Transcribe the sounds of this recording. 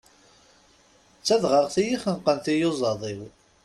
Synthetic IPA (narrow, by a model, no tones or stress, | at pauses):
t͡sːæðʁəʁθijiχənqːənθijozˤɑðˤiw